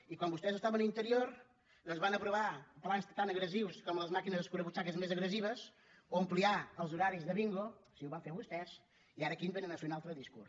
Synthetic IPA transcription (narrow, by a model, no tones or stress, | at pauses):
ikwãnbust̪ɛzst̪aβɐ̃nuĩnt̪əɾioɾ | ɐzβanɐpɾuβaplˠanst̪anɐɣɾəziwskɔmuɐzmakinɐzɐʃkuɾɐβut͡ʃakɐzmezɐɣɾəziβɐs | oɐmplˠiaəlˠzuɾaɾizðəβiŋɡosiuβafeɾβust̪ɛs | iaɾɐkinbenɐ̃nasunalˠt̪ɾɐðiskṵɾ